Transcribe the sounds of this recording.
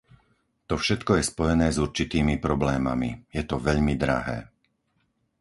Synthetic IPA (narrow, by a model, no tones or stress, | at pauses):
t̪ɔfʃɛt̪kɔjɛspɔjɛnɛːzuɾt͡ʃit̪iːmipɾɔblɛːma̰mḭjɛt̪ɔʋɛʎmid̪ɾa̰ɦɛ̰ː